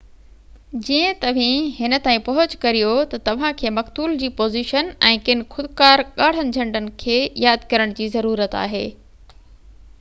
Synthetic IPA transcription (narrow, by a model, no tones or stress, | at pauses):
d͡ʑiːə̃t̪ɐʋ̤ĩɦɪnə̆t̪aːĩpɐɦʊd͡ʑkɐɾijot̪ɐt̪ɐʋ̤ãkʰeːmɐkt̪uːld͡ʑiːpoːziːʃənɛ̃ːkɪn̆xʊd̪kaːɾɠaːɽ̤ənɪ̆d͡ʑʱɐ̃ɳɖənɪ̆kʰeːjaːd̪kɐɾəɽ̃d͡ʑiːzɐɾuːɾət̪a̰ːɦeː